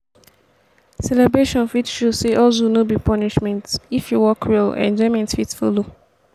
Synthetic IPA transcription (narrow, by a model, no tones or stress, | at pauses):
sɛlɛbɹeʃɔ̃nfitʃuseʔɔlsonobipɔniʃmɛ̃ntifjuwɔkʰɹilɛ̰̃nd͡ʒɔɪmɛ̃ntfitfo̰lo